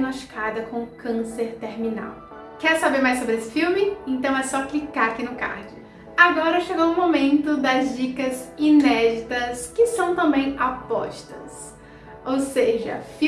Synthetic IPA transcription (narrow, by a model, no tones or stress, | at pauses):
noʃkad̪ɐkõkɐ̃seɾt̪eɾmina̰w | kɛɾsabeɾmajsːobɾɪesɪ̥fiwmɪẽt̪ɐ̃w̃ɛsɔklikaɾakinʊka̰ɾd͡ʒʊ | aɡɔɾɐʃeɡowũmomẽnt̪ʊd̪ɐzd͡ʒikɐzinɛd͡ʒit̪ɐskɪsɐ̃w̃t̪ɐ̃mbẽj̃apɔ̰ʃt̪ɐs | owseʒɐ̰fi